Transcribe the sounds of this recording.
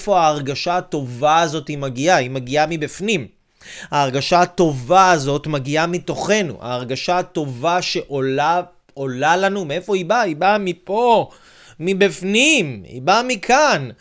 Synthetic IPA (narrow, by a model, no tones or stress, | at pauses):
fo̞aːʁɡaʃaːto̞vaːzo̞thimaɡiaimaɡiamibifnim | haːʁɡaʃaːto̞vaːzo̞tmaɡiamit̪o̞χe̞nṵʔa̰ːʁɡaʃaːto̞vaʃe̞ʔola | olalanumeefo̞ibaibamipo̞ | mibifnimḭbamikʰan